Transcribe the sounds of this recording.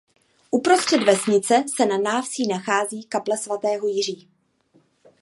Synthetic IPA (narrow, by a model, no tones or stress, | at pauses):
ʔupɾo̞st̪r̥ɛd̪vɛsɲɪt͡sɛsɛnanaːfsiːnaxaːziːkaplɛsvat̪ɛːɦojɪr̝iː